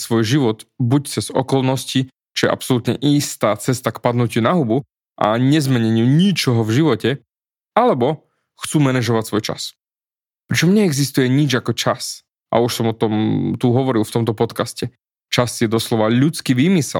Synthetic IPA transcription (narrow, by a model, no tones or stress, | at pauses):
sʋɔjʒiʋɔd̪buct͡sɛz̥ɔ̰kɔlnɔsci | t͡ʃɔjɛ̰ʔa̰psɔlut̪ɲɛ̰ʔiːst̪aːt͡sɛst̪akpad̪nucunaɦubu | ʔa̰ɲɛzmɛɲɛɲɪuɲit͡ʃɔɦɔvʒiʋɔcɛ | alɛbɔ | xt͡suːmɛnɛʒɔʋacsʋɔjt͡ʃa̰s | pɾit͡ʃɔmɲɛːɡzist̪ujɛɲid͡ʒakɔt͡ʃas | ʔa̰uʃsɔmɔt̪ɔmt̪uɦɔʋɔɾilˠft̪ɔmt̪ɔpɔt̪kascɛ | t͡ʃasjɛd̪ɔslɔʋaʎut͡skiːʋiːmisɛ̰l